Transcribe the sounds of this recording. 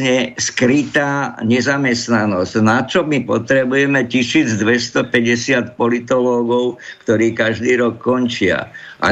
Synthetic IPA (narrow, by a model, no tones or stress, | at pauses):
ɲɛskɾit̪aːɲɛzamɛst̪nanɔscnat͡ʃɔmipɔt̪ɾɛbujɛmɛcisiːd͡zd̪ʋɛst̪ɔpɛɟɛsɪat̪̚pɔlit̪ɔlɔːɡɔʊkt̪ɔɾiːkaʒd̪iːɾɔkːɔnt͡ʃɪa̰ʔa̰